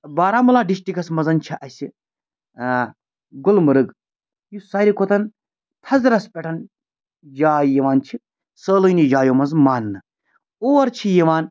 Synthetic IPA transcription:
baːɾaːmulaːɖiʃʈikɐsmɐzɐnt͡ʃʰiʔɐsʲi | ɡolmɨɾɨɡ | jusɐːɾʲikot̪ɐn | t̪ʰɐzɾɐspʲeʈʰɐn | d͡ʒaːjiʋaːnt͡ʃʰi | səːlɨjnid͡ʒaːjoːmɐnzmaːnːɨ | oːʋɐɾt͡ʃʰijɐʋaːn

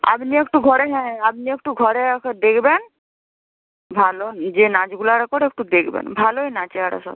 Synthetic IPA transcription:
a̰pniekʈuɡʱɔɾeɦɛ̃ap̚niek̚ʈuɡʱɔɾeked̪ekʰben | bʱalod͡ʒenad͡ʒɡulaɾekɔɾek̚ʈud̪ekʰbḛnbʱaloenat͡ʃɛaɾa̰sɔ̰

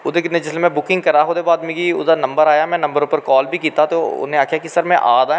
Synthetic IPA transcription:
ʊd̪enẽd͡ʒɪslemɛ̃bʊkɪ̃ŋɡ̚kɐɾaɦod̪eːbaːd̪mikiʊ̰d̪anɐ̃mbəɾaːjamɛ̃ːnɐ̃mbəɾupəɾkɔːlbʱikiːt̪at̪oʊ̰nẽaːkʰijakisɐɾmḛ̃ʔaːd̪aː

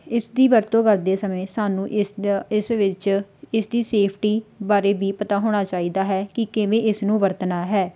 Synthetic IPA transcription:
ɪsd̪iːʋəɾt̪õːkəɾd̪eːsəmẽːsaːnũːʔɪsʋɪt͡ʃɪsd̪iːseːpʰʈiːbaːɾeːbiːpət̪aːɦoːɽ̃aːt͡ʃaːiːd̪aːɦɛːkɪkɪʋẽːʔɪsnũːʋəɾt̪naːɦɛː

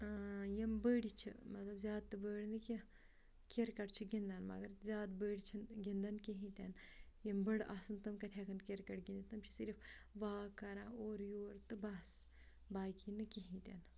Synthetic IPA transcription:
jɐmbəːɽʲit͡ʃʰḭmɐt̪lɐbzʲaːd̪̚t̪ɨbəːɽnɨki | kʲeɾkɐʈt͡ʃʰiɡind̪ɐnmɐ̰ɡɐɾzʲjaːd̪bəːɽʲit͡ʃʰinɡʲind̪ɐnkiɦĩt̪ʲanjɐmbəɽʔɐ̰sɨnt̪ɨmkɐt̪ʰʲekʰɐnkʲeɾkɐʈɡind̪it̪ɨmt͡ʃʰi̥siɾfʰ | ʋaːkɐɾãːoːɾjoːɾt̪ɨbɐs | baːjkinɨkiɦĩt̪ʲa̰n

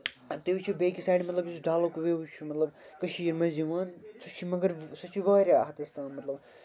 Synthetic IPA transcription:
t̪eut͡ʃʰibeːkisaːjɖimɐt̪lɐbisɖʱaːlokuʋeʋut͡ʃʰumɐt̪lɐbkɐʃiːɾmɐziʋaːnsɐt͡ʃʰimɐɡɐɾsɐt͡ʃʰiʋɐːɾʲaːɦɐt̪ɐst̪ãːnmɐt̪lɐb

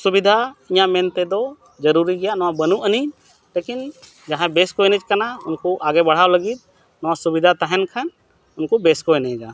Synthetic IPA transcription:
subid̪ʱaiɲaʔmɛnt̪ɛd̪ɔ | d͡ʒəɾuɾiɡɛjaʔnɔwabənuʔəniɲ | lekin | d͡ʒaɦãbɛskɔɛnɛt͡ʃkanaunkɔʔaɡɛbɐɽ̤awləɡit̪̚ | nɔwasubid̪ʱat̪aɦɛnkʰan | ʊnkɔbɛskɔɛnɛɡa

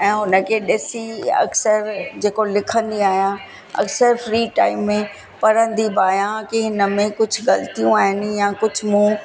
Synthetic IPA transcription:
ɛ̃ːɦʊnə̆kʰeːɗɪsiɐ̰ksəɾd͡ʑeːkolɪkʰə̃nd̪iaːɦijã | ɐ̰ksəɾfɾiːʈaːɪmːẽ | pɐɾə̃nd̪ibaːjãkiɦɪnə̆mẽkʊd͡ʑʱɡɐlt̪ijũaːɦɪnɪ̆jãkʊd͡ʑʱʊ̆mũː

